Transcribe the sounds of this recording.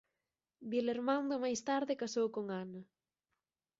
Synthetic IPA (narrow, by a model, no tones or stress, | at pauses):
bileɾmãnd̪omajst̪aɾðɪkasowkoŋanɐ